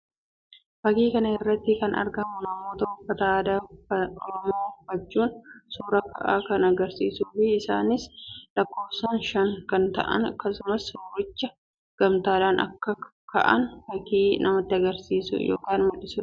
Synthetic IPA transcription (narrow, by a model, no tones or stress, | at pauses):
fɐkiːkɐnɐɪrːɐt̪ːɪkɐnɐ̰ɾɡɐmʊnɐmːoːt̪ɐhʊfːɐt̪ɐaːd̪ɐɔɾɔmoːhʊfːɐt͡ʃːuːnsuːɾɐkɐ̰ʔaːkɐnɐɡɐɾsḭːsuːfɪɪsa̰ːnɪslɐkːo̞ːfsɐnʃɐŋkɐnt̪ɐ̰ʔɐ̰nɐkːɐsʊmɐsʊɾʊt͡ʃːɐ | ɡ̥ɐmt̪aːd̪aːnʔɐ̰kːɐ | kɐ̰ʔɐ̰nfɐkiːnɐmɐt̪ːɪɐɡɐɾsiːsʊ̰jo̰ːkaːnmɐᶑɪsʊ